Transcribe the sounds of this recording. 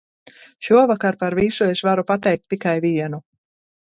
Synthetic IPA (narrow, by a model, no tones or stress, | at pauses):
ʃuɔvakaɾpaɾvisuesvaɾupat̪ɛjk̚t̪ːikajviɛnu